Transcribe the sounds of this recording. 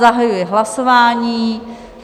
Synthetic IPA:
aɦajujɛɦlasovaːɲiː

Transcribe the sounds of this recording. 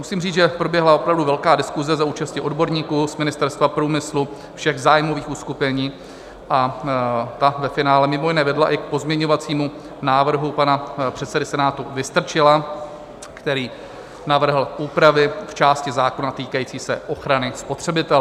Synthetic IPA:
musiːmriːt͡sʒɛpɾo̞bjɛɦlao̞pɾavduvɛlkaːdɪskuzɛzauːt͡ʃascɪʔo̞dbo̞ɾɲiːkuːsmɪnɪst̪ɛɾst̪vapɾuːmɪslu | fʃɛɣzaːjmo̞viːxuskupɛɲiː | ʔa | t̪avɛfɪnaːlɛmɪmojɪnɛːvɛdlaʔɪk̚po̞zmɲɛɲo̞vat͡siːmu | naːvr̩ɦupanapr̝̥ɛt̪sɛdɪsɛnaːt̪uvɪst̪r̩t͡ʃɪla | kt̪ɛɾiː | navr̩ɦl̩ʔuːpɾavɪft͡ʃaːscɪzaːko̞nat̪iːkajiːt͡siːsɛʔo̞xɾanɪspo̞t̪r̝̥ɛbɪt̪ɛl

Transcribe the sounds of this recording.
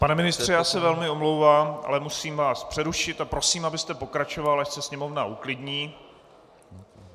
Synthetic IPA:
panɛmɪnɪst̪r̥ɛjaːsɛvɛlmɪo̞mlowvaːmʔa̰lɛmusiːmvaːspr̝̥ɛɾuʃɪt̪apɾo̞siːmabɪst̪ɛpo̞kɾat͡ʃo̞valaʃsɛsɲɛmo̞vnaʔuklɪdɲiː

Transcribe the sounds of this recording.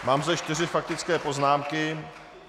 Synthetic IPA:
maːmzd̪ɛʃt̪ɪr̝ɪfak̚t̪ɪt͡skɛːpo̞znaːmkɪ

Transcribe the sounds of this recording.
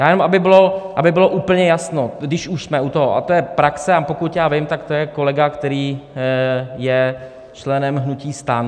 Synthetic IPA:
jaːjɛnomabɪbɪloʔabɪbɪlo̞ʔuːpl̩ɲɛjasno̞dɪʃuʃsmɛʔut̪oɦoʔa̰t̪ojɛpɾaksɛapokut̪jaːvɪmt̪akt̪ojɛko̞lɛɡakt̪ɛɾiː | jɛ | t͡ʃlɛnɛmɦnuciːst̪an

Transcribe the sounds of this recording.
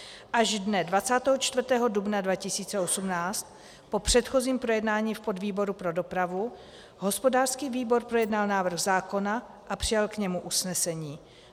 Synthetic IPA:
ʔaʒdnɛdvat͡saːt̪ɛːɦot͡ʃt̪vr̩t̪ɛːɦo̞dubnadvacɪsiːt͡sɛo̞sumnaːt͡st̪ | po̞pr̝̥ɛt̪xo̞ziːmpɾo̞jɛdnaːɲiːfpo̞dviːbo̞ɾupɾo̞do̞pɾavu | ɦo̞spo̞daːr̥skiːviːbo̞ɾpɾo̞jɛdnalnaːvr̩ɣzaːko̞naʔapr̝̥ɪjalkɲɛmuʔusnɛsɛɲiː

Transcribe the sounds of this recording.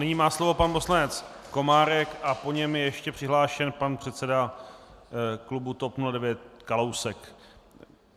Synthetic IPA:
nɪɲiːmaːslo̞vo̞panpo̞slanɛt͡s | ko̞maːɾɛkʔapo̞ɲɛmjɛjɛʃcɛpr̥ɪɦlaːʃɛnpanpr̝̥ɛt̪sɛda | klubut̪o̞pnuladɛvjɛt̪̚kalowsɛk

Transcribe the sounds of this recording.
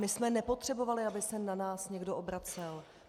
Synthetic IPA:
mɪsmɛnɛpo̞t̪r̥ɛbo̞valɪabɪsɛnanaːsɲɛɡdoʔobɾat͡sɛl

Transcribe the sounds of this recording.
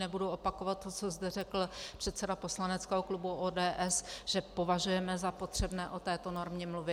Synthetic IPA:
nɛbudoʔo̞pako̞vat̪̚ːot͡sozdɛrɛkl̩pr̝̥ɛt̪sɛdapo̞slanɛt͡skɛːɦoklubuʔoːdɛːʔɛsʒ̥ɛpo̞vaʒujɛmɛzapo̞t̪r̝̥ɛbnɛːʔo̞t̪ɛːt̪o̞no̞ɾmɲɛmluvɪ

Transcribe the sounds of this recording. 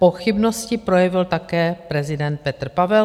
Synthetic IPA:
po̞xɪbnoscɪpɾo̞jɛvɪlt̪akɛːpɾɛzɪdɛnt̪̚pɛt̪r̩pavɛ

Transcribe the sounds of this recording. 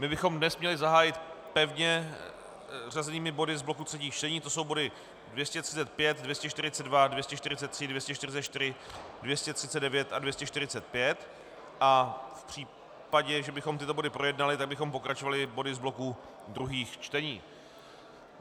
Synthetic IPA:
mɪbɪxo̞mdnɛsmɲɛlɪzaɦaːjɪt̪pɛvɲɛ | razɛniːmɪbo̞dɪzblo̞kut̪r̥ɛciːxt͡ʃt̪ɛɲiːt̪o̞so̞wbo̞dɪ | dvjɛscɛt̪r̥ɪt͡sɛt̪̚pjɛt̪dvjɛscɛʃt̪ɪɾ̝ɪt͡sɛdvadvjɛscɛʃt̪ɪɾɪt͡sɛt̪ːr̥ɪdvjɛscɛʃt̪ɪɾɪt͡sɛt̪t͡ʃt̪ɪɾɪdvjɛscɛt̪r̥ɪt͡sɛdɛvjɛt̪advjɛscɛʃt̪ɪɾɪt͡sɛt̪̚pjɛt̪ | ʔafpr̝̥iː | paɟɛʒɛbɪxo̞mt̪ɪt̪o̞bo̞dɪpɾo̞jɛdnalɪt̪aɡ̚bɪxo̞mpo̞kɾat͡ʃo̞valɪbo̞dɪzblo̞ku | d̪ɾuɦiːxt͡ʃt̪ɛɲiː

